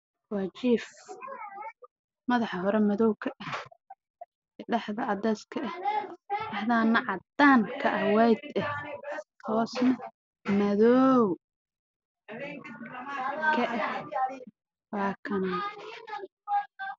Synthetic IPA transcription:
wɑːt͡ʃiːf | mɐðɑħhɔɾɛmɐðɔwkʰɐʔɛ | ɖɐħðɐʕɑd̪ɛːskʰɐʔɛhʔɑħðaːnːɐʕɑd̪aːnkʰɐʔɐwɛjd̪ɛt̪ʰɔːsnɐ | mɐðɔw | kʰɐʔɛh | wɑːkʰɐna

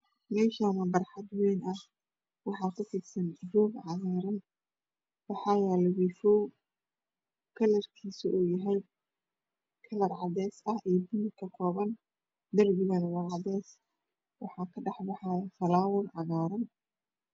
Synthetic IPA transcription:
mɛːʃaːmɐbɐrħɑd̪wɛjnʔɐh | wɑħɑːkʰʊfɪd̪sɐnɪfɔːɡʕɑɣɛːɾɐn | wɑħɑːjɛːlɛwiːfɔ | kʰɐlɐrkʰiːsiʔuːjɐɦɛj | kʰɐlɐrʕɑd̪ɛːsɐhiːb̪ɪnɪkʰɐkʰɔːβɐn | d̪ɐrɡɪɣɐnwɐlʕɑd̪ɛːs | wɑ̰ħɑːkʰɐɖɑħbɑħɑjɐfɐlaːwʊlʕɑɣaːɾɐn

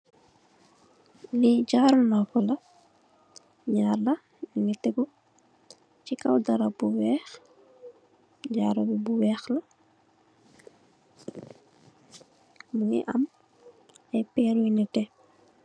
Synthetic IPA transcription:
liɟaːɾɐnɔːkɔlɐ | ɲaːrlɐ | iŋɛtɛɡu | cikɐ̰wdɐɾɐbuwɛːx | ɟaːɾɐbibuwɛːxlɐ | muŋɛ̰ʔɐm | ɛpɛːɾuinɛtɛ

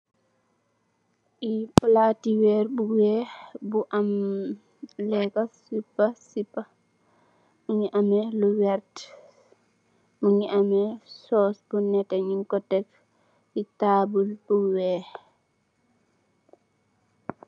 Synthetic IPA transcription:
ʔiplatiwɛɾbuwɛbuʔam | lɛkasipːasipːa | muɲiʔamɛluwɛɾt | muɲiʔamɛsɔsbunɛtɛɲiŋkɔtɛf | itabulbuwɛ

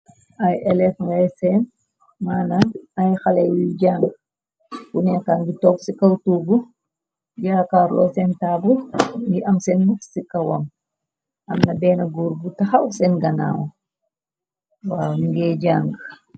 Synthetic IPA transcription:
ʔɐjɛlɛfŋɡajsɛn | maːnanɐjxalɐjwiɟaːŋɡ | funɛkanɡitɔːksikɐwtuːbu | ɟaːkaːɾlɔːsɛntaːbuŋɡiʔɐmsɛnːuksikɐwɐm | ʔɐmnɐbɛːnɐɡuːɾbutɐxɐwsɛnɡɐna̰ːwɔ | wamɡɛːd͡ʒaŋɡ

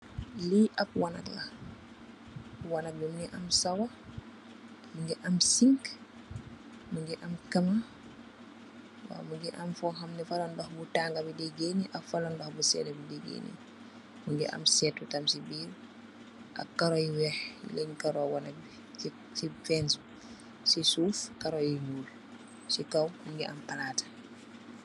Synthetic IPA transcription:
liʔɐp̚wanɐ̰klɐ | wanɐk̚bimuniʔɐmsɐwɐ | muɲɡɛʔɐmsiŋk | muɲɡɛʔɐmkɐma | wa̰ːmuɲɡɛʔɐmfɔxɐmnɛfalɔndɔxbutaːŋɡɐbidiɡeniʔɐfɐlɔndɔxbusɛ̰ːlɐbidiɡḛnḭ | muɲɡiʔɐ̰msɛːtutɐmsibiːɾ | ʔa̰kkːaɾɔjiwɛhlɛɲkaɾɔwɔnɐbi | sifɛns | sisuːfkaɾɔjiɲuːl | sikɐwmuɲɡɛ̰ʔɐ̰mpalaːtḁ

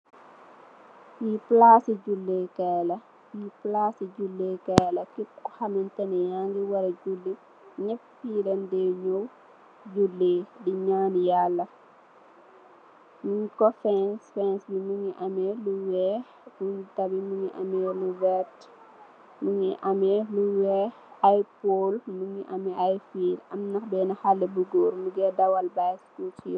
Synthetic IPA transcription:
fiplaːsiɟulːekɛːlɐ | fiplasiɟulːeːkɛːlɐkikuhɐmintɐnɛjaŋɡiwɐɾɐɟulːi | ɲɛffilɐndɛɲow | ɟulːeːdiɲaːnjalːɐ | muŋkɔfɛnsfɛnsbimuŋiʔɐmɛluwɛ | muŋitɐbimuŋiʔɐ̰mɛluwɛt | muŋiʔɐmɛluwɛ | ɐjpoːlmuŋiʔɐmɛʔɐjfiːlɐmnɐxbɛːnɐxalːɛbuɡɔːɾmuɡɛdɐwɐlbajskutḭ

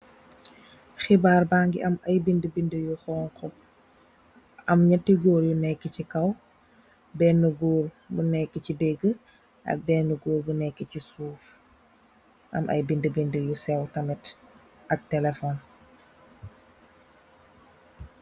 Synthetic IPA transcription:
xibaːrbaŋɡiʔɐmɐjbindəbindəjuxɔːŋkɔ | ʔɐmɲɐtːiɡɔːɾjunɛkːəcikɐw | bɛnːəɡɔːr | bunɛkːəcidɛɡːə | ʔɐ̰k̚bɛːnːəɡoːɾbunɛkːəcisuːf | ʔɐ̰mʔɐ̰jbindəbindəjusɛwtɐmɛt | ɐk̚tɛlɛfɔn

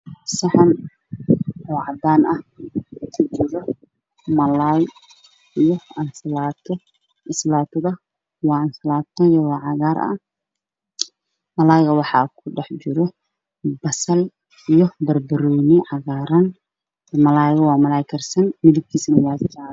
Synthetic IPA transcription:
sɐħɑn | ɔːʕɑd̪aːnɐhkʰʊt͡ʃɪɾɔ | mɐlaj | ijɔɐnslaːt̪ʰɔ | ɪslaːt̪ʰɐðɐ | wɑːɐnslaːt̪ʰɐjɐwɑːʕɑɣaːɾɐ̰ | mɐlaːjɣɐwɑħɑ̰ːkʰʊɖɛħt͡ʃɪɾɔ | bɐsɐl | ijɔbɐrbɐɾɔjnɪʕɑɣaːɾɐn | mɐlaːjɣɐwɑːmɐlaːjkʰɐrsɐnmɪðɪb̚kʰiːsɐnɐwɑːdɪʃa

